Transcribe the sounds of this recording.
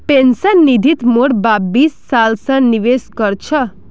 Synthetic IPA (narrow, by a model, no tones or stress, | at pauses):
pensənːid̪ʱit̪moɽbabisːalsə̃niʋeskəɾt͡ʃʰə